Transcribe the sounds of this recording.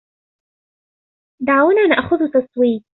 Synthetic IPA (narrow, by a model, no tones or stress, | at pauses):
d̪aʕawnaːnaʔxʊðʊt̪ɑsˤwiːt̪̚